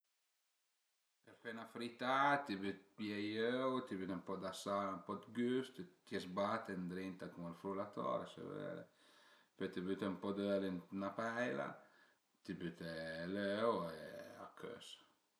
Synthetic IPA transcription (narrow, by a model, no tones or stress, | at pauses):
pɛɾfɛnafɾit̪at̪ibyt̪pjɛjøwt̪ibyt̪ɛmpɔd̪asaumpɔd̪ɡyst̪t̪jɛzbat̪ːɛnd̪ɾint̪akumalfɾulat̪ɔ̰ɾesɛ̰vɛ̰ːɾɛ̰ | pɛt̪ibyt̪ɛumpɔd̪ølinnapɛjla̰ | t̪ibyt̪ɛløwea̰kʰːø̰s